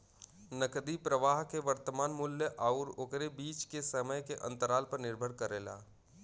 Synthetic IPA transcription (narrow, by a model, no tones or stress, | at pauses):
nəkd̪ipɾəʋaːɦkeʋəɾt̪əmaːnmʊljəʔaːʊɾoːkɾebiːt͡ʃkesəməjkeʔɐ̰̃nt̪əɾaːlpəɾnɪɾbʱəɽkəɾeːla̰ː